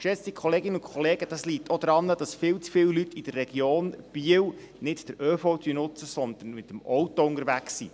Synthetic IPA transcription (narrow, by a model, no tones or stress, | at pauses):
kʃɛt͡st̪ikχɔleːɡɪnəʊnkʰχɔleːɡ̥əd̥ɑslitːʰod̪̥ɾɑnːəd̥ɑsfɪːwt͡sfɪwlytʰid̥ərːɛɡ̥joːnb̥iəw | nɪtd̥əɾøːfɔt̪ʰynʊt͡səsɔnd̪ən̩mɪt̪əmɔwtɔʊnəɾʋæksḭ